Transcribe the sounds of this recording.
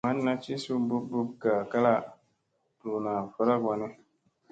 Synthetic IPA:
ma˨˦nː˦a˦t͡ʃi˦su˦bu˦bu˦b̚ka˨ka˦la˦ | tu˨na˨fɔ˦ɾa˦ɡa˨nɪ˦

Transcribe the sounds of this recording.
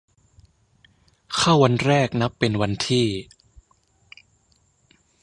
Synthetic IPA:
kʰa˥˩wa˧nɾɛː˥˩k̚na˦˥pːe˧nwa˧nt̪ʰiː˥˩

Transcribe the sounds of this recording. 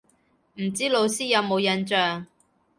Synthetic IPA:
m̩˨˩t͡siː˥lo˨˧wsiː˥jɐ˨˧wmo˨˧wjɐ˧nt͡ʃœː˨˧ŋ

